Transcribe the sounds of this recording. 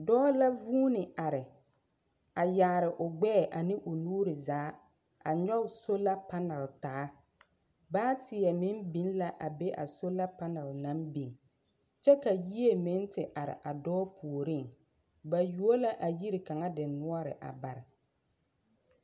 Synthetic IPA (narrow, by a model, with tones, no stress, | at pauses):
dɔː˦la˦vuː˦nɪ˨a˨ɾɪ˨ | a˨jaː˨ɾɪ˨ʔʊ˨ɡ͡bɛ˦˨ʔa˨nɪ˦ʔʊ˨nuː˦ɾɪ˨zaː˨˦ | a˨ɲɔ˦˨so˦la˦pa˦na˨ltaː˨˦ | baː˦tʰɪ˨jɛ˨mɪ˦nbi˨˦nla˦ʔa˨be˦ʔa̰˨so˦la˦pa˦na˨lna˦mbi˨ŋ | t͡ʃɛ˦ka˨ji˦e˨mɪ˦ntɪ˨ʔa˨ɾɪ̰˨ʔa˨dɔː˦pʰu˨o˨ɾɪ˦˨ŋ | ba˨ju˦o˦la˦ʔa˨ji˦ɾɪ˨ka˨ŋa˦dɪ˨nʊ˦ɔ˦ɾɪ̰˨ʔa̰˨ba˨ɾɪ˨